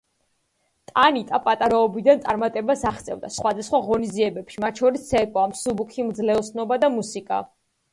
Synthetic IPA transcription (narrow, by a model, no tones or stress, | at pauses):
t̪ʼanit̪ʼapʼat̪ʼaɾaɔbid̪ant̪sʼaɾmat̪ʼɛbasaχt̪sʼɛ̰vd̪a̰sχwad̪asχwaʁɔniziɛbɛpʃimat̪ʃʰɔɾisːɛkʼɔamsubukʰimd̪zlɛɔsnɔbad̪amusikʼa̰